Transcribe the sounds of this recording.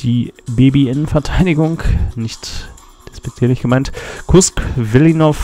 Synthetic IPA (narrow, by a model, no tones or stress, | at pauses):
d̥iːbeːbiʔɪnən̩fɛɐtʰaɪdɪɡʊŋknɪçt | ɛsb̥ɛt͡sɛlnɪçtɡ̥əmaɪntkʰʊskvɪlinɔf